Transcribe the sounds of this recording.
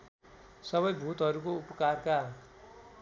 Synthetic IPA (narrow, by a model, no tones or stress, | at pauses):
sʌβʌjbʱut̪ɦʌɾukoupʌkarka